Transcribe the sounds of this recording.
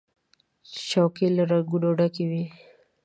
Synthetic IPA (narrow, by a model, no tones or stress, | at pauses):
ʃawkilaɾaɡuɖoɖakiwi